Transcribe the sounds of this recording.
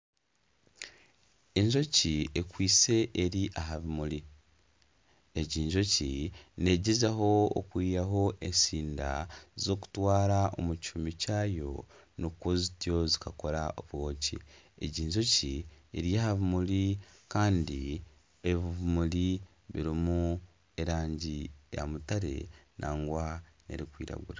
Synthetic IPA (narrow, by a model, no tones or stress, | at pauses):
e̞ɲʒo̞ciekwiːse̞ʔeɾiʔaɦaβumuli | eɟiːɲʒo̞cine̞ɟezaɦo̞̰ːkwiːjaɦo̞ʔe̞nsiːnda̰zo̞ːku̥twaːɾao̞̰mucumicaːjo̞̰ | nukwozitjo̞zikako̞ɾaoβɣo̞ːci | eɟiːɲʒo̞cieɾjahaβumulikaːndi | eβiβumuli | βiɾimu | e̞ɾaːɲɟija̰mutaɾe̞̰nʔaːŋɡwane̞̰ɾikwḭːɾa̰ɡṵɾa